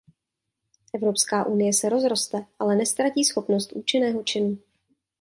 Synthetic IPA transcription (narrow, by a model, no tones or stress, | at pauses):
ʔɛvɾo̞pskaːʔunɪjɛsɛɾo̞zɾo̞st̪ɛʔalɛnɛst̪ɾaciːsxo̞pnost̪ʔuːt͡ʃɪnɛːɦo̞t͡ʃɪnuː